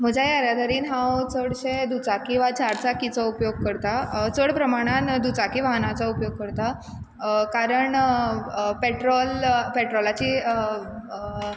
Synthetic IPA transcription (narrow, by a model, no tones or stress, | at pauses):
m̤əd͡ʑʱajaɾjad̪əɾiːnɦãwt͡səɽɕed̪ut͡sakiʋat͡ɕaɾt͡sakit͡sɔupjoɡ̚kəɾt̪at͡səɽpɾəmaɽ̃ãnd̪ut͡sakiʋaɦnat͡saupjoɡ̚kəɾt̪a | kaɾəɳ | peʈɾɔlpeʈɾɔlat͡ɕiː